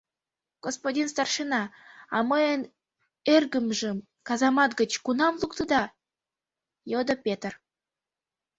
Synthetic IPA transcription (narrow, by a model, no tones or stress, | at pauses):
ɡ̥ospodʲins̬t̪ɑrʃənɑɑməjən | erɡəmʒəm | kɑzɑmɑt̪ɡə̆t͡ɕkunɑmlˠukt̪əd̪ɑ | jod̪əpʲet̪r